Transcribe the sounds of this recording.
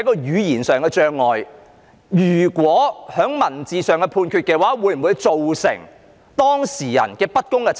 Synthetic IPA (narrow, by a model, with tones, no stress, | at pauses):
jkɔː˧jyː˨˧jiː˨˩nsœː˨ŋkɛː˧t͡ʃœː˧ŋːɔː˨j | jyː˨˩kwɔː˨˥hœː˨˥ŋmɐ˨˩nt͡siː˨˧sœː˨ŋkɛː˧pʰuː˧nkʰyː˧t̚kɛː˧waː˨˥wuː˨˧jm̩˨˩wuː˨˧jt͡so˨wsɪ̰˨˩ŋ | t̪ɔː˥ŋsiː˨˩jɐ̰˨˩nkɛː˧pɐ˥t̚kʊ˥ŋkɛ˧t͡s